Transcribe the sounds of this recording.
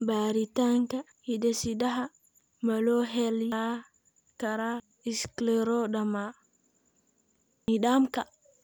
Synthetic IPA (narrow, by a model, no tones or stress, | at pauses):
baɾitaŋka | hidɛsidaɦa | malɔɦɛljaa | kaɾa | isklɛɾɔɗama | niɗamka